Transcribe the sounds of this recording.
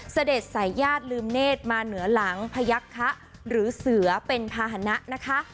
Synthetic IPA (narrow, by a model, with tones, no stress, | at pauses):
sa˧de˨˩t̪̚sa˩˦jːaː˥˩t̪̚lɯː˧mneː˥˩t̪̚maː˧nɯ˩˦ɐla˩˦ŋpʰa˧ja˦˥kʰːa˦˥ʔ | ɾɯː˩˦sɯ˨˩˦ɐpe˧npʰaː˧ɦa˩˧˦na˦˥ʔna˦˥kʰa˦˥ʔ